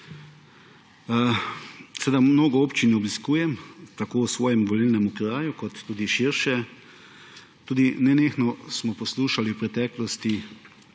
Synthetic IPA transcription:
sɛed̪amnoːɡɔoːpt͡ʃinɛɔbiskuːjɛmt̪akoːwsʋɔːjɛmʋɔlilnɛmukɾaːjukɔt̪ːuːd̪iʃiɾʃɛ | t̪uːd̪inɛneːxnɔsmɔpɔsluːʃaliwpɾɛt̪ɛːklɔst̪i

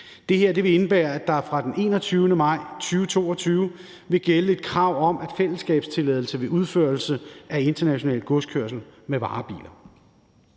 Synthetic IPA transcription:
d̥e̝heɐd̥e̝ʋe̝e̝nəb̥æːɐæd̥ɑ̈fʁɑ̈d̥ene̝̰ːnɒt͡sʰyːʊnəmɑ̈ɪ̰t͡sʰyːʊʋət͡sʰo̝̰ːɒt͡sʰyːʊə | ʋe̝ɡ̥eləe̝d̥̚kʰʁɑ̈ʊ̰ɒ̽mʔæd̥fel̰əsɡ̥ɛ̰ːb̥st͡sʰe̝lɛð̞ˠl̩səʋe̝ʔuð̞ˠføɐlsəæe̝nd̥ɐnæɕo̝nɛ̰ːlɡ̥ɔskʰøɐ̰sl̩meʋɑ̰̈ːb̥ḭːlɐ

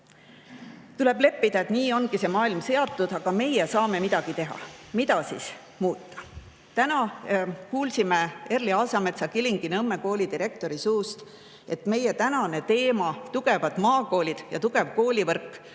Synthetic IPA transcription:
t̪ule̞b̥le̞pːid̪ɑe̞t̪niːo̞nɡ̥ise̞mɑːilmse̞ɑt̪ːˑud̪̥ɑɡ̥ɑme̞jesɑːme̞mid̪ɑɡ̥it̪e̞ɦɑ̰mit̪ɑsis | muːt̪ːɑ̥ | t̪ænɑkuːlsimee̞rliɑlsɑme̞t̪sɑkiliŋɡ̥inɤme̞ko̞ːlʲid̪̥iɾe̞k̚t̪o̞ɾisuːst̪ | e̞t̪me̞jet̪ænɑne̞t̪e̞ːmɑt̪uɡ̥e̞vɑd̪̥mɑːko̞ːlʲid̪̥jɑt̪uɡ̥e̞vko̞ːlivɤrkːˑ

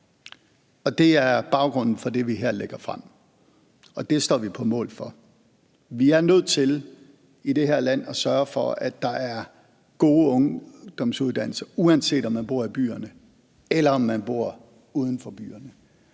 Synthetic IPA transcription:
ɒ̽d̥e̝æɐb̥ɑ̈ʊɡ̥ʁɔ̽n̰n̩fɒ̽d̥e̝ʋiɦeɐ̰leɡ̥ɐfʁam̰ | ɒ̽d̥e̝sd̥ɒ̰ːʋipʰɒ̽mɔ̰̽ːlfɒ̽ | ʋiæɐnøð̰ˠt͡sʰe̝l | id̥e̝ɦeɐ̰læn̰ɒ̽sɶɐfɒ̽æd̥ːɑ̈ʔæɐ | ɡ̥o̝ːɔ̽ŋd̥ɒ̽m̰suð̞ˠd̥æn̰l̩sɐ̥uænse̝̰ːd̥ɒ̽mːænb̥o̝ɐ̰ib̥y̰ːɐnə | elɐɒmːænb̥o̝ɐ̰ | uːð̞ˠn̩fɒ̽b̥y̰ːɐnə

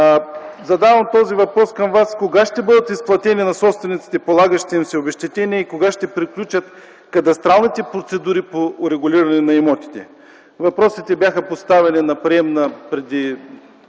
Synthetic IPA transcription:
zɐd̪avɐmt̪ɔzivɐpɾɔskɐmvaskoɡaʃt̪ɛbɤd̪ət̪isplˠɐt̪ɛninɐsɔpst̪vɛnit̪i̥t̪ɛpolˠaɡəʃt̪ɛimsɛobɛʃt̪ɛt̪ɛniɛikoɡaʃt̪ɛpɾiklʲut͡ʃɐt̪ | kɐt̪ɐst̪ɾalˠnit̪ɛpɾot̪sɛd̪uɾipoɾɛɡʊlʲiɾɐnɛnɐɛmɔt̪i̥t̪ɛ | vɐpɾɔsit̪ɛbjaxəpost̪avɛninɐpɾiɛmnɐpɾɛd̪i

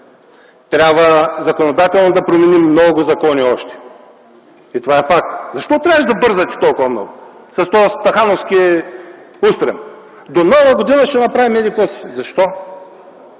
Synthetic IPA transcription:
t̪ɾʲabvəzɐkonod̪at̪ɛlˠnod̪ɐpɾomɛnimːnɔɡʊzɐkɔniɔʃt̪ɛ̥ | it̪ovaɛfak̚t̪zɐʃt̪ɔt̪ɾʲavəʒd̪ɐbɤɾzət̪ʲi̥t̪ɔlˠkʊvɐmnɔ̰ɡʊsɐst̪ɔst̪ɐxanofskʲiɛ | ust̪ɾɛ̰m | d̪onɔvɐɡod̪inɐʃt̪ɛnɐpɾavimɛd̪ikɔszɐʃt̪ɔ

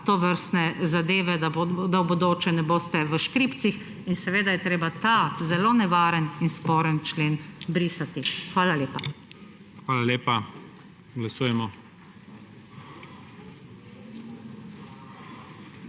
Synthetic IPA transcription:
t̪ɔʋəɾst̪nɛzad̪eːʋɛd̪ad̪awbod̪oːt͡ʃɛnɛboːst̪ɛʋəʃkɾiːpt̪six | insɛʋeːd̪ajɛt̪ɾeːbat̪azɛloːnɛʋaːɾəninspɔːɾənt͡ʃleːnbɾiːsat̪ixʋaːlaleːpa | xʋaːlalʲeːpa | ɡlasuːjɛmɔ

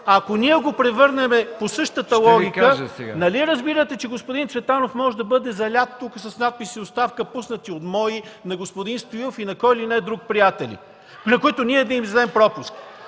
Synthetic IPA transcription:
ɐkoniɛɡopɾɛvɤɾnɛmɛposɤʃt̪ət̪əlˠɔɡʲikəanɐliɛɾɐzbiɾət̪ɛt͡ʃɛɡospod̪int̪svɛt̪anofmɔʒɛd̪ɐbɤd̪ɛzɐlʲat̪ːukəsɐsnat̪̚pisiost̪afkəpusnət̪iot̪mɔinɐɡospod̪inst̪oilˠofinɐkɔilinɛd̪ɾuk̚pɾijat̪ɛlḭ | nɐkoit̪onʲiɛːd̪imzd̪ɛmpɾɔpusk

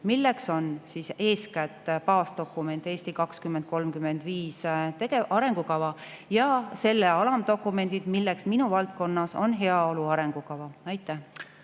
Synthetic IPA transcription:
milːekso̞nsise̞ːskæt̪ːˑpɑːst̪o̞kːˑume̞nt̪ːˑe̞ːst̪ikɑkskymːent̪̚ko̞lmkymːe̞nd̪̥viːst̪e̞ɡ̥eʔɑɾe̞ŋɡ̥ukɑvɑ | jɑse̞lːeɑlɑmd̪o̞kːˑume̞nd̪id̪̥milːeksminuvɑlt̪̚ko̞nːɑso̞nɦe̞ɑo̞luɑɾe̞ŋɡ̥ukɑvɑɑjt̪ːˑæh

